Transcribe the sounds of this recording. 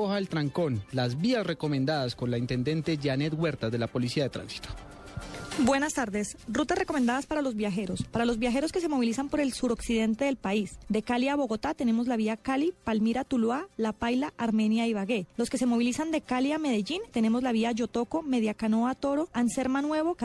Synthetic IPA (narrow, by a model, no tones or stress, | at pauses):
ohaelt̪ɾaŋko̞nlazbiasre̞ko̞mend̪aðasko̞nlaint̪e̞nd̪e̞nt̪e̞ʝanet̪ɡwe̞ɾt̪azðelapo̞lisiaðe̞t̪ɾa̰nsi̥t̪o̥ | bwe̞nast̪aɾd̪esrut̪asre̞ko̞mend̪aðaspaɾalo̞zβjaxe̞ɾo̞spaɾalo̞zbjaxe̞ɾo̞ske̞se̞mo̞β̞ilisampo̞ɾe̞lsuɾo̞ksiðe̞nt̪e̞ðe̞lpaisd̪e̞kaljaβo̞ɣo̞t̪at̪e̞ne̞mo̞zlaβiakalipalmiɾat̪ulwalapajlaʔaɾme̞njaiβaɣe̞lo̞ske̞se̞moβilisand̪ekaljame̞ðeʝint̪e̞ne̞mo̞zlaβiaʝo̞t̪o̞ko̞me̞ð̞jakano̞at̪o̞ɾo̞anse̞ɾmanwe̞βo̞